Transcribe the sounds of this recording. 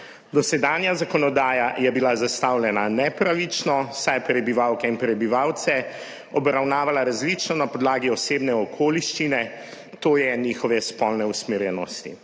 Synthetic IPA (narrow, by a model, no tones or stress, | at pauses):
d̪ɔsɛd̪anjazakɔnɔd̪aːjajɛbilazast̪awlʲɛnanɛpɾaʋit͡ʃnɔsajpɾɛbiʋawkɛinpɾɛbiʋawt̪sɛ | ɔbɾawnaːʋalaɾazlit͡ʃnɔnapɔd̪laːɡiɔseːbnɛɔkʰoːliʃt͡ʃinɛ | t̪oːjɛniːxɔʋɛspɔlnɛusmeɾjɛnɔst̪ḭ